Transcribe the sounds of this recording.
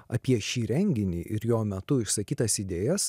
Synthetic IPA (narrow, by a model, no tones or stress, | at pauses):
ɐ̰pʲiɛʃʲiːɾʲɛŋʲɡʲɪnʲiːʔɪ̰ɾjoːmʲɛt̪ʊɪʃsɐkʲiːt̪ɐsɪd̪ʲeːjɛs